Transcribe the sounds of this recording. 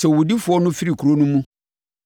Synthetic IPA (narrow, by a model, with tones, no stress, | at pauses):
sɛ˨wu˨di˦fʊ˨˦ɔ˦nʊ̃˦fi˦ɾi˨kʰu˨ɾo˦nũ˦mũ˦